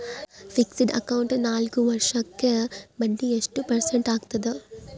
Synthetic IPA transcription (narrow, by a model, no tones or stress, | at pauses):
fiksiɖɐ̰kɐwuɳʈnaːlɡuʋɐɾʂɐkːebɐɳɖiesʈupɐɾseɳʈaːɡt̪ɐd̪u